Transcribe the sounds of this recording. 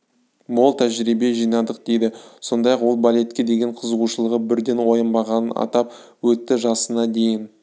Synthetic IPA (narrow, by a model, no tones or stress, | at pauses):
bolˠt̪ʰæʒɾibe̞ʒijnɑd̪əq̚d̪e̞jd̪ɪso̞nd̪ɑjɑqwo̞lˠbalʲe̞t̪̚kʲe̞d̪e̞ɡʲe̞ɴqʰəzəʁuʃəlˠəʁəbɪɾd̪e̞nwo̞jənbɑʁɑnənɑ̰t̪ɑp̚ | wɵt̪ːɪʒɑsənɑd̪e̞jɪn